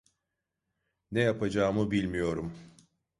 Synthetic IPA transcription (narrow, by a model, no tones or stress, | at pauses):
nejapʰad͡ʒaːmɯbilʲmijo̞ɾum